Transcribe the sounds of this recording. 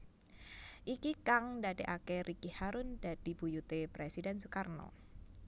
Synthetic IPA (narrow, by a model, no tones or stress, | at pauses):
ʔikikaŋdadeʔakɛɾʔikihaɾʊnd̥ad̥i̤b̥ujut̪epɾesidɛnsukarnɔ̰